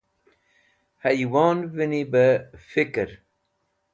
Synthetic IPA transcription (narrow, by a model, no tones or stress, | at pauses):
hajwɑːnvinibəfikɾ